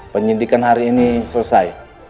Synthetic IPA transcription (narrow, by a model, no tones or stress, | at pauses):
pəɲindikanɦaɾiːnisusaj